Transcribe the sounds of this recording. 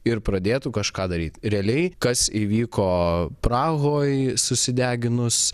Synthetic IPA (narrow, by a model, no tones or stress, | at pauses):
ɪɾpɾɐd̪ʲeːt̪ukɐʃkɑːd̪ɐɾʲiːt̪ɾʲɛɐlʲɛɪkɐsiːʋʲiːkoːpɾɑːɣoːjsʊsʲɪd̪ʲæːɡʲɪnʊs